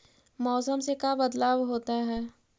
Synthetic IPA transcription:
mɔːsəmsekabɐd̪laːwɦoːt̪aɦɛː

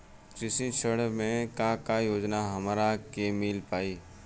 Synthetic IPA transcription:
t͡ʃɪsĩt͡ʃʰəɽmẽkãkajoːd͡ʒnaɦɐmɾakemɪlpaːiː

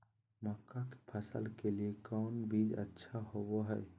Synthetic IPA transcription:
məkːake̥pʰəsə̰lkeliekɔʊnbid͡ʒə̰tːʃʰaɦoboɦɛj

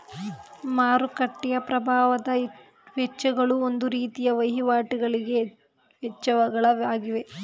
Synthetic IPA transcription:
maːɾukɐʈːɛjɐpɾɐbʱaːʋɐd̪ɐ | ʋɛt͡ʃːɐɡɐɭuond̪uɾiːt̪ijɐʋɐjɦiʋaːʈiɡɐɭiɡe̞ | ʋɛt͡ʃːɐʋɐɡɐɭɐʋaːɡiʋe̞

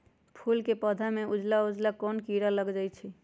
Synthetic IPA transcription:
pʰulkepəd̪ʱameud͡ʒlaud͡ʒlakɔnkiɾaləɡd͡ʒajt͡ʃʰi

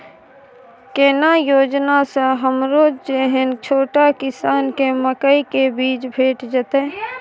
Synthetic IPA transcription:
keːnajoːd͡ʒnasẽɦəmɾoːd͡ʒd͡ʒeɦent͡ʃʰoːʈakɪsaːnkeməkəikebiːt͡ʃbʱeːʈd͡ʒət̪e

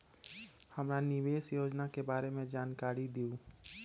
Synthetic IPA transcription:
həmɾanɪʋeːsjoːd͡ʒnakebaːɾemẽd͡ʒaːnkaːɾid̪iu

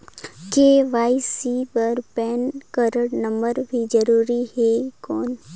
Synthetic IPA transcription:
keʋaːisipəɾpɛːnkəɾəɽnə̃mbəɾbʱid͡ʒəɾuːɾihekɔːn

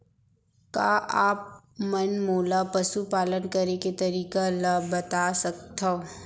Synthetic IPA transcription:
kaːʔaːp̚ | mɐnmoːlapɐsupaːlənkɐɾeket̪ɐɾiːkalabɐt̪asɐkt̪ao

